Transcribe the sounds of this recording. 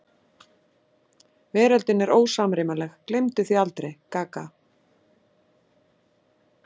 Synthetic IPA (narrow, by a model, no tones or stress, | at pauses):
vɛːɾalt̪ɪnɛɾʔoːwsaːmɾɪmalɛxklejmt̪ʏθialt̪ɾejkaːka